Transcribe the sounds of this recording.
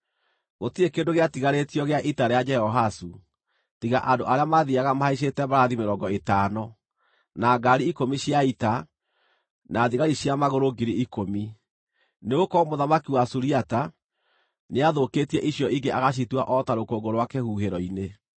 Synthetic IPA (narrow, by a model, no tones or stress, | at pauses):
ɣotiekeːndoɣeatiɣaɾetiɔɣeaʔitaɾead͡ʒɛhɔɦasu | tiɣaʔandoʔaɾeamaðiaɣamahaiʃ̬etɛbaɾaðimeɾɔɡɔetaːnɔ | naɡaɾiikomiɕiaita | naːðiɣaɾiɕjamaɣoɾoɡiɾiikomi | neokɔmoðamakiwasuɾiata | neaðokeːtiɛʔiɕjɔiɡeʔaɣaɕ̬ituaʔɔtaɾokoɡoɾowakehuːheɾɔine